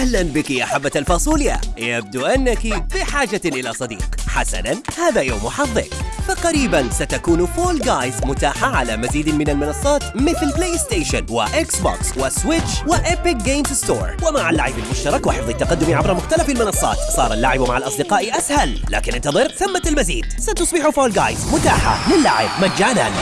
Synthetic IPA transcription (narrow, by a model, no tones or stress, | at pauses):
ahlanbɪkijaħabːat̪alfɑːsˤuːlja̰jab̚d̪uʔanːakifiħaːd͡ʒaʔɪlasˤɑd̪ḭːqħasa̰nanhaːðajoːmħɑfðˤːɪ̰kfɑqɑɾiːbansat̪akuːnfoːlɡaːjzmʊt̪aːħaʕalamaziːd̪mɪnalmɪnɑsˤːɑːt̪mɪθɪlpleːjɪst̪eːʃa̰nwɪ̰ʔɪksbo̰ːkswɪswɪt͡ʃwɪʔɪpɪk̚ɡeːmst̪o̰ːɾˤwɪmaʕalːaʕɪbɪlmʊʃt̪ɑɾˤɑkwɪħɪfðˤit̪ːaqɑd̪ːʊmiʕabɾˤɑmʊxt̪alafɪlmɪnɑsˤːɑ̰ːt̪sˤɑ̰ːɾˤalːa̰ʕɪbmaʕalʔɑsˤd̪ɪqɑːʔiʔashalːa̰ːkɪnʔɪnt̪ɑðˤɨɾθamːaɪlmazḭːd̪sat̪ʊsˤbɪħufoːlɡaːjzmʊt̪aːħa̰lɪlːaʕɪ̰bmad͡ʒːaːna̰ːn